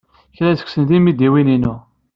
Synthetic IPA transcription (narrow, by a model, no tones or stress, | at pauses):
çɾæzə̥kʷsənt̪imid̪iwininu